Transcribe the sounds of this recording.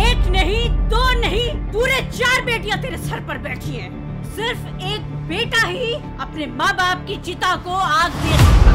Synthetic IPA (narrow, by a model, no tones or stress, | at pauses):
eːknɐɦĩd̪oːnɐɦĩpuːɾet͡ʃaːɾbeːʈijãt̪eːɾesɐɾpɐɾbɛːʈʰiɛ̃ː | sɪɾf | eːk̚ | beːʈaɦi | ɐpnemãːbaːp̚kit͡ʃɪt̪akoaːɡd̪eːt̪e